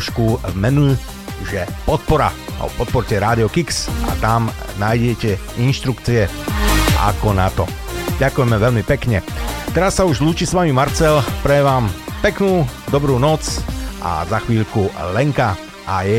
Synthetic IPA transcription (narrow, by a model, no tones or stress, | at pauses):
ʃkuvmɛnu | ʒɛpɔt̪̚pɔɾa̰pɔt̪̚pɔɾcɛɾaːd̪iɔkiksa̰t̪amnaːjɟɛcɛ | inʃt̪ɾukt͡siɛ | ʔa̰kɔnat̪ɔ | ɟakujɛmɛʋɛʎmipɛkɲɛt̪ɛɾasːauʒluːt͡ʃisʋamimaɾt͡sɛlpɾɛɛʋaːmpɛknuːd̪ɔbɾuːnɔt͡sʔa̰zaxʋiːʎkulɛŋka | ʔajɛ